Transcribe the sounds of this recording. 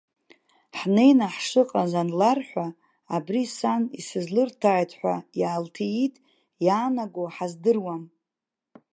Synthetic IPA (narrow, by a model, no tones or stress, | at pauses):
ħne̞jnaħʂɨqʼazanlarħʷa | abrisanisɨzlɨrtʰaːjtʰħʷajaːltʰijitʼ | jaːnaɡoħazdɨrwam